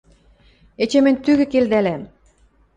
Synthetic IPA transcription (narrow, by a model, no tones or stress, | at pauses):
et͡ɕĕmɘ̆nʲt̪yɣɘ̆keld̪ælæm